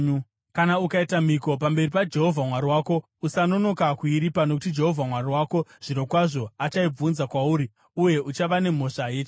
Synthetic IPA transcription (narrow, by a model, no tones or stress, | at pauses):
kanaukaitamiko̞p̬ambe̞ripad͡ʒe̞ɦo̞vʱamwaɾiwaːko̞ | usano̞no̞kakuiɾipano̞k̬utid͡ʒe̞ɦo̞vʱamwariwaːko̞ʐ̥iɾo̞kwaʐo̞at͡ʃaib͡vunzakwauːɾi | uje̞ut͡ʃaʋane̞mo̞ʂajeːt͡ʃe